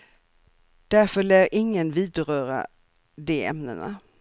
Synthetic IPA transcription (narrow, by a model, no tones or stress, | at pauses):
d̪̥æɾfœɭæːɾʔɪŋːənviːd̪ɾœːɾa̰ | d̪ɛɛ̰mnə̰na̰